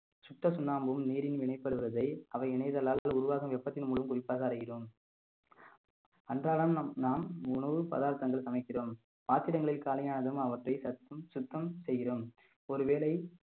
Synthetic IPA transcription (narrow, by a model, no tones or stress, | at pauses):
sʊʈrɐsʊnːaːmbɯmniːɾɪnʋɪɳɐɪpːɐɽɯʋɯɾɐðɐɪɐʋɐɪɪɳɐjðɐlaːlaːlʊɾʊʋaːɣɐmʋɛpːɐt̪ːɪnmuːɭʋɐmkʊrɪpːaːɣɐɐɾɯɣɪroːm | ɐndraːɭɐmnaːmʊɳɐʋɯpɐ̰ðaːɾt̪ɐŋɡɐɭsɐmɐɪkːɪroːm | paːt̪ːɪɾɐŋɡɐɭɪlkaːlɐjaːnɐðɯmɐʋɐʈrɐɪsɐt̪ːɯmsʊt̪ːɐmsɛjːɪɾoːm | ɔɾɯʋeːɭɐɪ